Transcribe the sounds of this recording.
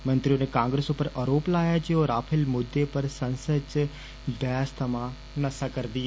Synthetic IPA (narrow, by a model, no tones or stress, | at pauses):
mɐ̃nt̪ɾijoːnekãːŋɡɾesopəɾʔɐɾoːplaːjad͡ʒijoːɾaːpʰɪlmʊd̪ːepɐɾsɐ̃nsət͡ʃ | b̪aːst̪ʰɐmã | nɐsakɐɾd̪i